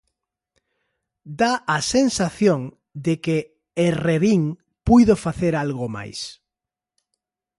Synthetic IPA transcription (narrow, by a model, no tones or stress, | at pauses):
d̪aasensaθjoŋ | d̪ekeː | reβiŋ | pujðofaθeɾalɣoma̰js